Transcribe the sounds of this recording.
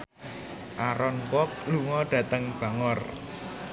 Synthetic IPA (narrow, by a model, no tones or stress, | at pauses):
ʔaɾɔnwɔk̚luŋɔɖ̥ä̤t̪əŋb̥a̤ŋɔr